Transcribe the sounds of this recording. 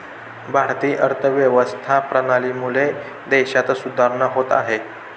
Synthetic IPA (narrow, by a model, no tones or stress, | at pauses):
bʱaɾt̪iːʔəɾt̪ʰəʋjəʋəst̪ʰapɾənaliːmule | d̪eɕat͡s̪sud̪ʱaɾɳəɦot̪a̰ɦe